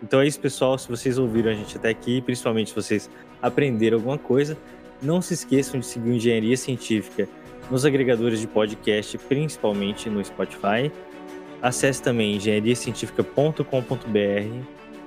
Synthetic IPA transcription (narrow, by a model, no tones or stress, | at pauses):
ẽt̪ɐ̃w̃ɛisʊ̥pesuawsɪvosejzowviɾɐ̃w̃aʒẽt͡ʃɪat̪ɛakiːpɾĩsi̥pawmẽnt͡ʃɪsɪvoses | apɾẽnd̪eɾ̃awɡũmɐkojzɐ | nɐ̃w̃sɪskesɐ̃w̃d͡ʒɪsɪɡiɾĩʒẽɲaɾiɐsiẽt͡ʃifi̥kɐ | nʊzaɡɾeɡad̪oɾɪzd͡ʒɪpɔd͡ʒɪkɛst͡ʃɪpɾĩsi̥pawmẽnt͡ʃɪnʊɪspɔt͡ʃi̥faj | asɛsɪ̥t̪ɐ̃mbẽj̃ĩʒẽɲaɾiɐsiẽnt͡ʃifi̥kɐpõt̪ʊkõpõnt̪ʊbeɛhɪ